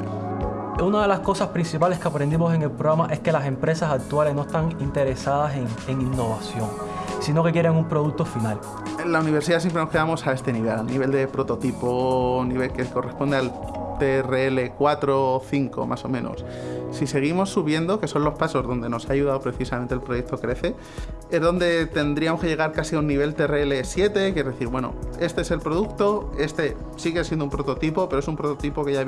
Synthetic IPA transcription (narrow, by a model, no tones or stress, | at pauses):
unaðe̞lasko̞saspɾinsipale̞skeapɾe̞nd̪imo̞se̞ŋe̞lpɾoɣɾamaʔe̞ske̞lase̞mpɾesasak̚t̪uale̞ɦno̞e̞st̪aŋint̪e̞ɾesað̞aseŋeŋinːo̞β̞asjo̞ŋ | sino̞ke̞kje̞ɾeŋumpɾo̞ðuk̚t̪o̞final | launiβ̞e̞ɾs̬iðas̬empɾeno̞hke̞ðamo̞sae̞st̪e̞niβ̞elalniβe̞ld̪e̞pɾo̞t̪o̞t̪iponiβe̞lke̞ko̞respo̞nd̪ealt̪ereele̞kwat̪ɾo̞θiŋko̞̰mʔaso̞̰mẽno̰ssise̞ɣ̞imo̞sːuβje̞nd̪o̞ke̞so̞nlo̞spaso̞zðo̞nd̪e̞no̞saːjuðaopɾe̞θisam̃nt̪elpɾo̞jek̚t̪o̞kɾe̞θe̞ | ezðo̞nd̪e̞t̪e̞nd̪ɾiamo̞skee̞ɣaɾkasiaunːiβe̞lt̪ereele̞sje̞t̪e̞kjeɾðeθiɾβwe̞no̰e̞st̪e̞eselpɾo̞ðukt̪o̞e̞st̪e̞ | siɣe̞s̬jend̪umpɾo̞t̪o̞t̪ipo̞pe̞ɾoe̞sumpɾot̪ot̪ipo̞keʝa